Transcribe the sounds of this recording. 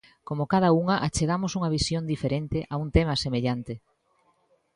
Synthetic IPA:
komokað̞ɐuŋɐʔat͡ʃeɣamosuŋɐβ̞isjond̪ifeɾent̪eʔaunt̪emɐsemeʎant̪ɪ

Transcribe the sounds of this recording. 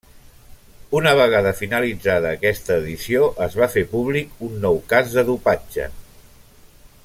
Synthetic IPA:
unəβ̞əɣ̞aðəfinəlid͡zaðəːkɛst̪əːðisioʔəzβafepuβlikunːɔwkazðəðupad͡ʒə̰

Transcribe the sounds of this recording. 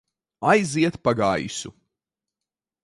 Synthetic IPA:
ajziɛt̪paɡajsu

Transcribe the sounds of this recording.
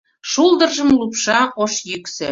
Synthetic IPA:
ʃuld̪ərʒəmlupʃɑoʃjyksĕ

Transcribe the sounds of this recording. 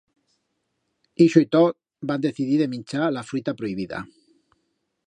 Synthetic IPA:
iʃoit̪ot̪̚ | band̪eθiðiðemĩnʲt͡ʃalafɾit̪apɾoiβ̞iða̰

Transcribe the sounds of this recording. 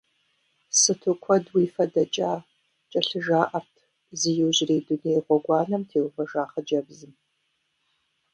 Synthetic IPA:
sɨtʰɨkʷʰɔdwiːfɐdɐt͡ʃʼaː | t͡ʃʼɐɬɨʒaːʔɐrtʰ | zɨjɛwʑɪreːdunejʁʷɔɡʷɑːnɐmtʰeːwfɐʒaːχɐd͡ʒɐbzɨm

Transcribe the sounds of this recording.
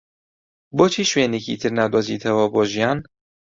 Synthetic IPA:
boːt͡ʃʰiːʃweːnecḭt̪ʰɨɾnaːd̪wɐzḭːt̪ʰɐwɐboːʒijɑːn

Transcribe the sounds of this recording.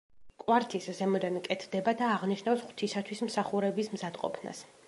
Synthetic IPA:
kʼwaɾt̪ʰiszɛmɔd̪ankʼɛt̪ʰd̪ɛbad̪aːʁniʃnafsχwt̪ʰisat̪ʰwismsaχuɾɛbismzad̪qʼɔ̰pʰna̰s

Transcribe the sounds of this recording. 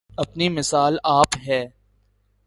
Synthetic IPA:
ɐpnimɪsaːlaːpɦɛː

